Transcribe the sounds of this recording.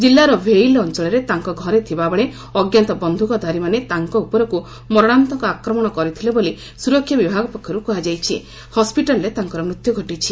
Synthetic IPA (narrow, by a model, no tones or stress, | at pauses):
d͡ʒilːaɾɔbʱejlɔnt͡ʃɔɭɔɾet̪aŋkɔɡʱɔɾet̪ʰibabɔɭe | ɔɡjant̪ɔbɔnd̪ʱukɔd̪ʱaɾimanet̪aŋkɔupɔɾɔku | mɔɾɔɽ̃ant̪ɔŋkɔakɾɔmɔɽ̃ɔkɔɾit̪ʰileboli | suɾɔkʰjɔbibʱaɡɔpɔkʰjɔɾukuɦad͡ʒajt͡ʃʰi | hɔspiʈalɔɾet̪aŋkɔɾɔmɾut̪jɔɡʱɔʈit͡ʃʰi